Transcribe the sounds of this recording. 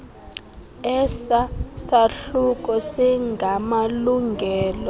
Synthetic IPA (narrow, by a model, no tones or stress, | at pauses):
ɛsasaɬuk̬ʼɔsiŋɡʱamaluŋɡʱɛːlɔ